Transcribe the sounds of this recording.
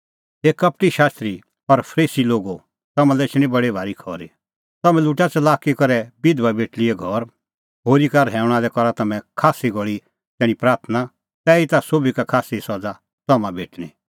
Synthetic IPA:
eːkɐp̚ʈiʃaːst̪ɾi | ɔɾpʰɾiːsiloːɡo | t̪ɐmãlɛt͡ʃʰɽ̃ĩbɐɽebʱaːɾikʰɔːɾi | t̪ɐmɛ̃luʈat͡ʃɐlaːkikɐɾɛbɪd̪ʋabeːʈliɛɡʱɔɾ | ɦoːɾikaɾɦɛːʊɽ̃aːlɛkɔɾat̪ɐmɛ̃kʰaːsiɡɔɭi | t̪ɛːɽ̃ipɾaːɾt̪ʰəna | t̪ɛːit̪asoːbikakʰaːsisɔd͡za | t̪ɐmãbeːʈɽ̃i

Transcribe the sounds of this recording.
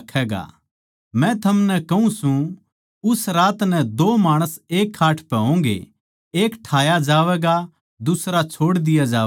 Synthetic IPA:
kʰɛːɡa̰ | mɛ̃t̪ʰɐmnɛkɐɦũsũ | ʊsɾaːt̪nɛ̃d̪oːmaːɽ̃əseːkʰːaːʈʰpɛɦõːŋɡḛ | eːkʈʰaːjad͡ʒaːʋɛːɡa | d̪ʊsɾat͡ʃʰoːɽd̪ɪjad͡ʒaː

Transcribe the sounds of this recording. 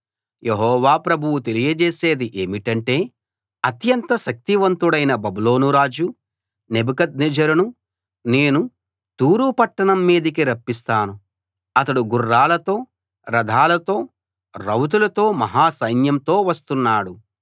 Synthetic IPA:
jeɦɔːʋaːpɾɐbʱuwut̪elijɐd͡ʒeːse̞ːd̪iʔeːmiʈɐɳʈe̞ː | ɐt̪jɐnt̪ɐʃɐk̚t̪iʋɐnt̪uɽɐjnɐbɐbuloːnuɾaːd͡ʒu | nebukɐd̪̚nid͡ʒɐɾunu | ne̞ːnu | t̪uːɾuːpɐʈːɐɳɐmːiːd̪ikiɾɐpːis̬t̪aːnu | ɐt̪ɐɽuɡurːaːlɐt̪o̞ː | ɾɐd̪ʱaːlɐt̪o̞ː | ɾɐwt̪̬ulɐt̪o̞ːmɐɦaːsɐjnjɐmt̪o̞ːʋɐst̪unːaːɽu

